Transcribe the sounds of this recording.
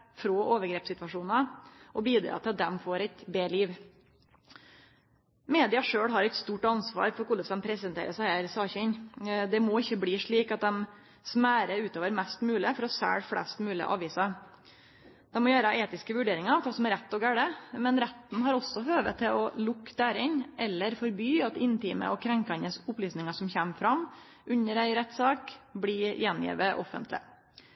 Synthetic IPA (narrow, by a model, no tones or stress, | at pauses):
fɾoːʔoːʋəɾɡɾeːpsɪt̪ʋɑʂuːnɑʔɔbiːd̪ɾɑ̰ːt̪ɪl̚d̪ɛmfoːɾɛɪt̪beːliːʋ | meːd̪ɪɑʂøːɽɦɑɾɛɪt̪st̪uːʈɑnsʋɑ̰ːɾfɔɾkʊləsɛmpʰɾɛsənt̪ʰḛːɾəsæhæːɾsɑːçɪɲd̪ɛmoɪçːəbɽiːʂɭiːkɑt̪̚d̪ɛm | smæːɾəʉːt̪oːʋəɾmɛst̪mʉːlɪfɔɾɔsæ̰ːɽfɽɛ̰st̪mʉːlɪ̰ʔɑ̰ːʋiːsɑ | d̪̥ɛmːɔjæːɾəʔeːt̪ɪskəʋʉɖeːɾɪŋɑɾfɑlsɔmɛɾɛt̪ːɔɡæːɽəmɛnɾɛt̪nɦɑɾɔsːɔɦøːʋə̰t̪ʰːɪlɔlʊkːd̪æːɾɪɲʔɛlːəɾfɔɾbyːɑt̪ɪnt̪iːmə̰ʔɔkʰɾɛŋkɑnəsʊplyːsnɪŋɑʂɔmçæmfɾɑm | ʔʉɲːəɾæɪɾɛt̪sɑːkbliːjɛnjḭːʋəʔɔfə̰nt̪lɪ̰